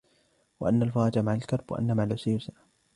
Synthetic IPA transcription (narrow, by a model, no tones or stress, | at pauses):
wa̰ʔanːalfɑːɾˤɑd͡ʒamaʕalkɑɾˤbwa̰ʔa̰nːamaʕalʊsajʊsa